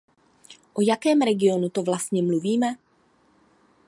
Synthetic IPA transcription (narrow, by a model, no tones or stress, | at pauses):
ʔojakɛːmɾɛɡɪo̞nut̪o̞vlast̪̚ɲɛmluviːmɛ